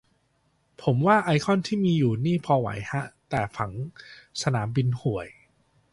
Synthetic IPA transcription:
pʰo˩˦mwaː˥˩ʔa˧jkʰɔ˥˩nt̪ʰiː˥˩miː˧juː˨˩niː˥˩pʰɔː˧wa̰˨˩˦jha˦˥ʔt̪ɛː˨˩fa˩˦ŋsa˧naː˩˦mbi˧nhu˨˩əj

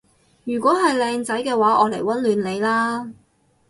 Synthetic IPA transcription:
jyː˨˩kʷɔː˨˥ɦɐ˨jlɛː˧ŋt͡sɐ˨˥jkɛː˧waː˨˥ʔɔː˨˧le˨˩jwɐ˦˥nlyː˨˧nle˨˧jlaː˥

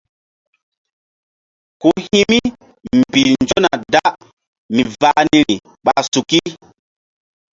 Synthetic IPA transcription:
ku˦hi˦mi˦ | m˨bi˨lnd͡ʒo˦na̰˨da˦ | mi˨va˦ni˦ɾi˨ | ɓa˨su˨ki˦

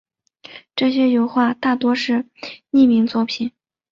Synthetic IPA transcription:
ʈ͡ʂɤ˥˩ɕjɛ˥jo˨˩ʊxwa˥˧t̪a˥˩t̪wɔ˥ʂɻ̩˥˧ | ni˥˩mi˧˥ŋt͡swɔ˥˩pʰi˨˩˦n

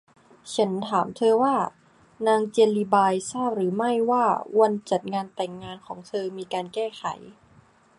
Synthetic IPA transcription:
t͡ɕʰa˦˥nt̪ʰaː˩˦mt̪ʰɤː˧waː˥˩ | naː˧ŋt͡ɕe˧nliː˧baː˧jsaː˥˩p̚ɾɯː˩˦ma˥˩jwaː˥˩wa˧nt͡ɕa˨˩t̪̚ŋaː˧nt̪ɛː˨˩ŋːaː˧nkʰɔː˩˦ŋt̪ʰɤː˧miː˧kaː˧nkɛː˥˩xʰa̰˨˩˦j

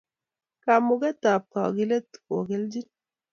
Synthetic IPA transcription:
ka˨mu˨ɡa˦t̪a˨p̚ka˨ɡi˦le˦t̪ko˨ɡe˦ld͡ʒi˦n

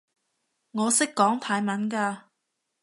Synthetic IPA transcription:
ŋɔː˨˧sɪ˥kːɔː˨˥ŋt̪ʰaː˨˧jmɐ˨˥nkaː˧

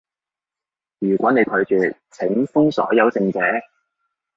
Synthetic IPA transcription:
jyː˨˩kʷɔː˨˥ne˨˧jkʰɵ˨˧ɥt͡ʃyː˨ | t͡sʰɪ˨˥ŋfʊ˥ŋsɔ̰ː˨˥jɐ˨˧wsɪ˨˧ŋt͡sɛː˨˥

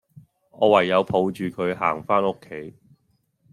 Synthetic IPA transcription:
ɔː˨˧wɐ˨˩jːɐ˨˧wpʰo˨˧wt͡ʃyː˨˧kʰɵ˨˧ɥhaː˨˩ŋfaː˥nʊ˥kʰːe˨˥j

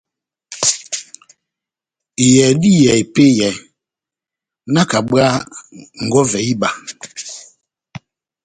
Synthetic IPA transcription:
i˨jɛ˨di˦jɛ˨i˨pe˦jɛ˨ | na˦ka˨ɓɰa˦ŋ̩˨ɡɔ˦vɛ˨i˦ba˨

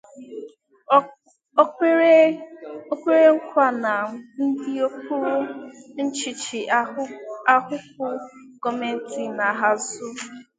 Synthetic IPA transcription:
o˦kʷe˦ɾe˦ŋ̩˦kʷa˦na˨n̩˦di˦o˦k̚u˦ɾu˦n̩˦t͡ʃi˨t͡ʃi˨ | a˦hʊ˦k̚ʷʊ˦kɔ˦me˦n̩˦ti˨na˨ɦa˦zʊ˦

